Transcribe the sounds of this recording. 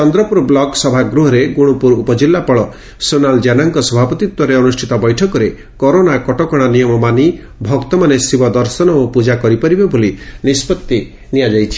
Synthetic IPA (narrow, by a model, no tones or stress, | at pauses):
t͡ʃɔnd̪ɾɔpuɾblɔksɔbʱaɡɾuɦɔɾeɡuɽ̃upuɾupɔd͡ʒilːapɔɭɔ | sonald͡ʒanaŋkɔsɔbʱapɔt̪it̪wɔɾeɔnusʈʰit̪ɔbɔjʈʰɔkɔɾe | kɔɾonakɔʈɔkɔɽ̃anijɔmɔmani | bʱɔkt̪ɔmanesibɔd̪ɔɾsɔnɔupud͡ʒakɔɾipɔɾibebolinispɔt̪ːi | nijad͡ʒajt͡ʃʰi̥